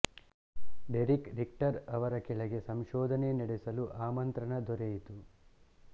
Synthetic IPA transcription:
ɖeɾikɾikʈɐɾɐʋɐɾɐkɛɭɐɡe̞sɐmʃɔːd̪ʱɐneniɽesɐluʔaːmɐnt̪ɾɐɳɐd̪ɔɾejit̪u

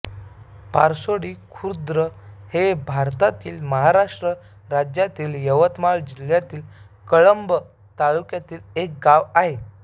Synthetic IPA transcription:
paɾsoɽiːkʰuɾd̪ɾəhebʱaɾt̪at̪iːlməɦaɾaʂʈɾə | ɾad͡ʑjat̪iːljəʋət̪maɭd͡ʑil̤jat̪iːl | kəɭəmbə | t̪alukjat̪iːlek̚ɡaʋaɦe

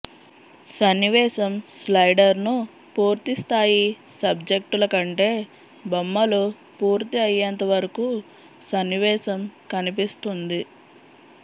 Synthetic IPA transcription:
sɐnːiʋɛːsɐmslɐjɖɐɾnu | puːɾt̪ist̪ʰaːji | sɐbd͡ʒek̚ʈulɐkɐɳʈe̞ː | bɐmːɐlu | puːɾt̪iɐjːɐnt̪ɐʋɐɾɐku | sɐnːiʋɛːsɐmkɐnipist̪und̪i

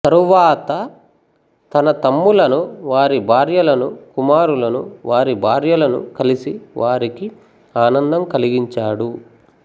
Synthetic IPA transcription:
t̪ɐɾuʋaːt̪ɐ | t̪ɐnɐt̪ɐmːulɐnuʋaːɾibʱaːɾjɐlɐnukumaːɾulɐnuʋaːɾibʱaːɾjɐlɐnṵkɐlisiʋʔaːɾiki | aːnɐnd̪ɐmkɐliɡiɲt͡ʃaːɽu

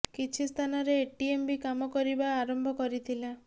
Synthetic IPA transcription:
kit͡ʃʰist̪ʰanɔɾeːʈiembikamɔkɔɾibaːɾɔmbʱɔkɔɾit̪ʰila

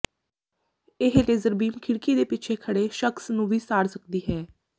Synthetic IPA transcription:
ɪɦleːzəɾbiːmkʰɪɽkiːd̪eːpɪt͡ʃʰeːkʰəɽeːʃəksnũːʋiːsaːɽsəkd̪iːɦɛː

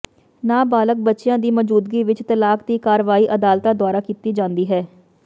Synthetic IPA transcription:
naːbaːlək̚bətːʃɪjãːd̪iːmɔd͡ʒuːd̪ɡiːʋɪt͡ʃt̪əlaːkd̪iːkaːɾʋaːiːʔəd̪aːlt̪aːd̪ʊaːɾaːkiːt̪iːd͡ʒãːnd̪iːɦɛː

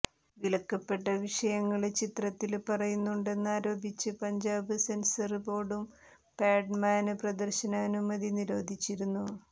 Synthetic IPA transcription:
ʋilɐkːɐpːe̞ʈːɐʋiʂɐjɐŋːɐɭt͡ɕit̪rɐt̪ːilpɐrɐjunːuɳɖe̞nːaːɾo̞ːbit͡ɕːɨpɐɲd͡ʑaːbɨsensɐrpo̞ːɽum | paːɖmaːnɨprɐd̪ɐrɕɐnaːnumːɐðiniɾo̞ːd̪ʱit͡ɕːiɾunːu

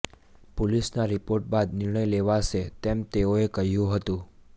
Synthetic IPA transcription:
polisnaɾipoɾʈ̚bad̪nɪɾɳəjleʋaʃet̪ɛmt̪eoekəɦjũɦət̪ũ

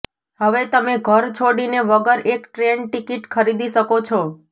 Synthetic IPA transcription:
ɦəʋet̪əmeɡʱəɾt͡ʃʰoɽineʋəɡəɾekʈɾenʈikiʈkʰəɾid̪iʃəkot͡ʃʰɔ

